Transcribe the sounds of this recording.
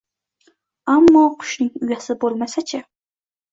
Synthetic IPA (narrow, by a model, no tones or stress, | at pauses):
amːɑqʰʊ̥ʃnɪŋyjæsɪbolˠmæsæt͡ʃʰɪ